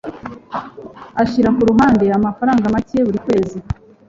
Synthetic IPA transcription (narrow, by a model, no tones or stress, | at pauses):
açiɾakuɾuɦaːnde̞amafaɾaːŋɡamaceβuɾikwe̞ːzi